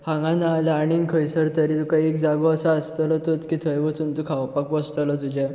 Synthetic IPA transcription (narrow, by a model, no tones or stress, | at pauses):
hãŋɡãnaːlːɽ̃iŋɡkʰəjsəɾt̪əɾit̪ukajekd͡zaɡoəsaəst̪ələt̪ot͡skit̪ʰəjʋət͡sunt̪ukʰawpakʋəst̪əlɔt̪ud͡ʑe